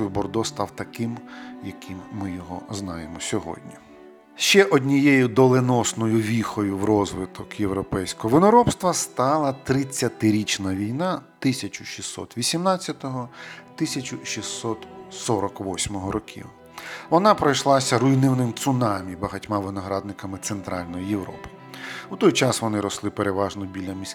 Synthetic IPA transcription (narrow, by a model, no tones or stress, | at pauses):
bɔrd̪ɔst̪ɑwt̪ɐkɪmjɐkimːɪjɔɦɔ̰znɑjemɔsʲɔɦɔ̰dʲnʲi | ʃt͡ʃɛʔɔdʲnʲijejʊd̪ɔlˠenɔsnɔjʊʋʲixɔjʊwrɔzʋɪt̪ʰɔkjewɾɔpɛjsʲkɔɦɔʋɪnɔɾɔpst̪ʋɐst̪ɑlˠɐt̪ɾɪt͡sʲːɐt̪ɪɾʲit͡ʃnɐʋʲijnɑt̪ɪsʲɐt͡ʃʊ̥ʃʲisːɔ̰t̪ʋʲisʲimnɑt͡sʲːɐt̪ɔɦɔt̪ɪsʲɐt͡ʃʊʃʲisːɔt̪sɔɾɔkʋɔsʲmɔɦɔɾɔkʲḭw | ʋɔnɑpɾɔjʃlˠɑsʲɐɾʊjnɪwnɪmt̪sʊnɑmʲibɐɦɐtʲmɑʋɪnɔɦɾɑd̪̚nɪkɐmɪt̪sent̪ɾɑlʲnɔjijewɾɔ̰pɪ̥ | wt̪ɔjt͡ʃɑsʋɔnɪɾɔslˠɪpeɾeʋɑʒnɔbʲilʲɐmʲisʲ